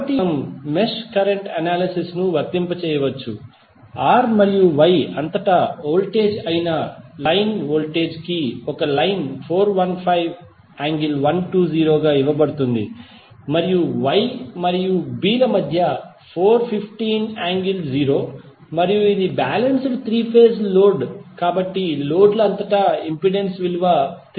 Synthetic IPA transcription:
ɐʈimmeskɐɾeɳʈɐnaːlisisnuʋɐt̪ːimpɐt͡ʃɛːjɐʋɐt͡ʃːṵ | aːɾmɐɾijuʋɐjɐnt̪ɐʈɐoːlʈeːd͡ʒɐjinɐlɐjnoːlʈe̞ːd͡ʒkiɔkɐlɐjnpʰoːɾʋɐnpʰɐjʋ | aːŋɡilʋɐnʈuːd͡ʒiːɾo̞ːɡaːiʋɐbɐɽut̪und̪ḭ | mɐɾijuʋɐjmɐɾijubiːlɐmɐd̪ʱjɐ | pʰoːɾpʰipʰʈiːnaːŋɡild͡ʒiːɾo̞ː | mɐɾijuid̪ibaːlɐnsɾut̪ʰɾiːpʰeːsloːɖkaːbɐʈːilo̞ːɖlɐɐnt̪ɐʈɐimpiɖensʋiluʋaːt̪

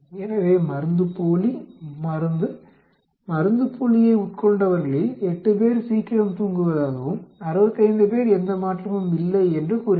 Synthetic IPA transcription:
ɛnɐʋeːmɐɾɯnd̪ɯpoːlimɐɾɯnd̪ɯ | mɐɾɯnd̪ɯpʰːoːlɪjɐɪʊʈ̚kɔɳɖɐʋɐɾɣɐɭeɛʈːɯp̬eːɾsiːkɪɾɐmt̪uːŋɡɯʋɐðaːɣɐʋɯmɐɾɯʋɐt̪ːɪɐɪnd̪ɯpeːɾɛnd̪ɐmaːʈrɐmɯmɪlːɐɪɛndrɯkuɾ

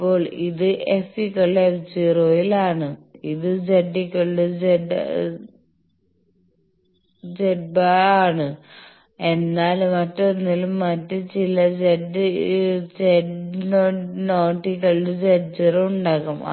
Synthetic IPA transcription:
pːo̞ːɭiðɨʔefikːɐɭeft͡ɕiroːjilaːɳɨiðɨd͡ʑeɖːikːɐɭɖɨd͡ʑeɖ | d͡ʑeɖ̚baaːɳɨ | enːaːlmɐtːonːilumːɐtːɨt͡ɕilɐd͡ʑeɖːɨt͡ɕeɖnonoːʈːikːɐɭɖɨd͡ʑeɖ̚d͡ʑirouɳɖaːɣum̰

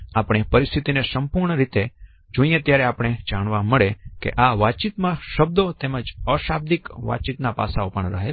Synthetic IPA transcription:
apɽ̃epəɾist̪ʰit̪inesəmpuɾɳəɾit̪e | d͡ʒoĩjẽt̪jaɾeapɽ̃ed͡ʒaɽ̃ʋaməɭekḛʔaʋat͡ʃit̪mãʃəb̚d̪ot̪eməd͡ʒəʃab̚d̪ikʋa̰t͡ʃit̪napa̰saopəɳɾəɦe

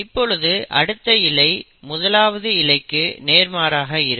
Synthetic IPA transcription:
ɪpːɔɭɯðɯʔɐ̰ɽɯt̪ːɐɪlɐɪ | mʊðɐlaːʋɐðɯɪlɐɪkːɯneːɾmaːɾaːɣɐɪɾɯ

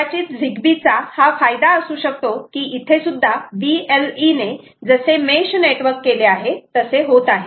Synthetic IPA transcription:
at͡ɕiːt͡s̪d͡zʱiɡbit͡sahafajd̪aəsuːɕəkt̪okiːʔit̪ʰesud̪ʱːaʋieline | d͡zəsemeɕneʈʋəɾkːeleaɦet̪əseɦot̪aɦe

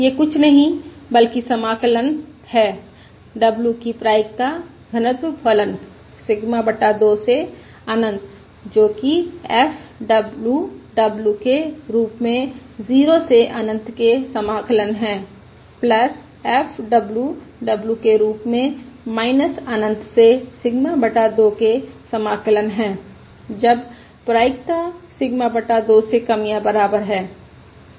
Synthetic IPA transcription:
jekʊt͡ʃʰnɐɦĩbəlkisɐmaːklən | hɛː | ɖəbljukipɾaːɪk̚t̪a | ɡʱənət̪wpʰələn | sɪɡmabəʈad̪oːse | aːnə̃nt̪ | d͡ʒoːkiɛfʰɖəbluɖəbljukeɾuːpmẽziːɾoseʔaːnə̃nt̪kesɐmaːkələnɦɛ̃ː | pləs | ɛːfʰɖɐbljuɖɐbljukeɾuːpmẽmaːɪnəsaːnə̃nt̪sesɪɡmabəʈad̪oːkesɐmaːkələnɦɛ̃ː | d͡ʒɐb | pɾaːɪkt̪asɪɡmabəʈad̪osekɐmijãbəɾaːbəɾɦɛː

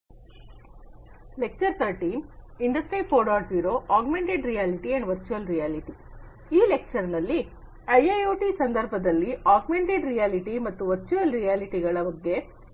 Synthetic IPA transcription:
le̞k̚t͡ʃɐɾt̪ʰɐɾʈiːmiɳɖɐsʈɾipʰoːɖaːʈbjuːɾoʔaːɡmeɳʈeɖɾijaːliʈiɐɳɖʋɐɾt͡ʃuʋɐlɾijaːliʈi | iːlek̚t͡ʃɐɾnɐlːi | ɐjɐjoːʈisɐnd̪ɐɾbʱɐd̪ɐlːiaːɡmeɳʈeɖɾijaːliʈimɐt̪ːuʋɐɾt͡ʃuɐlɾijaːliʈiɡɐɭɐʋɐɡːe̞

